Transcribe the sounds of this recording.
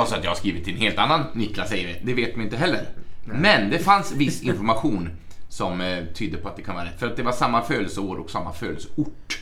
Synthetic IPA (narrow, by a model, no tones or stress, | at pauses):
alsɔat̪jɑːhaskɾiːvɪt̪ʰːɛnheːlt̪anːanːʏkːlasɛjəɾɪd̪ɛveːt̪mɪɪnt̪əɦɛlːəɾmɛnd̪ɛfansvɪsːɪnfɔɾmaɧuːn | sɔmt̪ʰyːd̪ːəpʰɔat̪̚d̪ɛkʰanəʋaːɾɛt̪ːfœɾat̪̚d̪ɛvaʂamːaføːləsəoːɾɔ̰ksamːa̰fø̰ːd̪əsəʊʈː